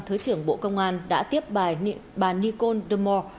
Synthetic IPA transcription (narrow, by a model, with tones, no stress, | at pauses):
t̪ʰɨ˨˦t͡ɕɨ˧˩əŋɓo̰˧˨kə˧wŋ͡mʔaː˧nɗa̰ː˧˥t̪i˦˥əp̚ɓa˨˩ɓaː˨˩ni˧ko˧nɗə˧˩mɔ˧